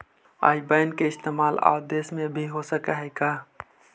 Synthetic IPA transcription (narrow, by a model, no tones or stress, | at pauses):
a̰ːibəɪnkeɪst̪emaːla̰ʊd̪esmẽbʱiɦosəkaɦɛɪka